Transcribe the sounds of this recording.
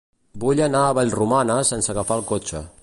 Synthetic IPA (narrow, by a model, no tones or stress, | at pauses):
buʎənaəβaʎrumanəsensəɣəfalˠkot͡ʃə̰